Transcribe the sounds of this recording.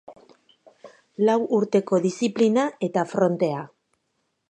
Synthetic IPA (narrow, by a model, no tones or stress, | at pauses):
lawʔuɾt̪e̞ko̞ðisiplinae̞t̪afɾo̞nt̪e̞a